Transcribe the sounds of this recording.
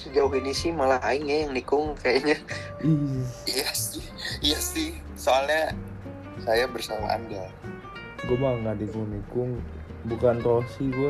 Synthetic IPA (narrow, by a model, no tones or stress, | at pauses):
səd͡ʒawinisɪhmalaɦaɪnjajaŋnikʊŋkajaɲa | ijasɪhjahsɪh | soalɲa | sajabərsama̰a̰nda | ɡuamaŋɡadikuŋnikʊŋ | bukant̪osiɡua